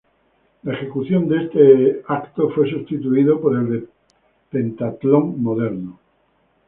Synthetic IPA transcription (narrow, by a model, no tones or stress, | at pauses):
laexe̞kuθjo̞nd̪ee̞st̪eakt̪ofwe̞s̬ust̪it̪uiðopoɾe̞ld̪e | pe̞nt̪at̪lõŋmoðe̞ɾno